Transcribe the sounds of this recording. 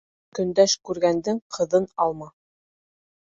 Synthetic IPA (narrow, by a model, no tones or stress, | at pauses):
kɵ̆nd̪æʃkʉɾɡænd̪ɘŋqʰɤ̆ðɤnɑlˠmɑ